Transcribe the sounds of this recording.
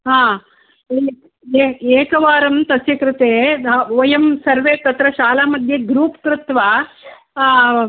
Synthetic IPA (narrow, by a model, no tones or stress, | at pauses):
ɦãː | e | eeːkɐʋaːɾɐmt̪ɐsjɐkɾɪt̪eːɐjɐmsɐɾʋeːt̪ɐt̪ɾɐʃaːlaːmɐd̪ʱjeɡɾuːpkɾut̪ʋaː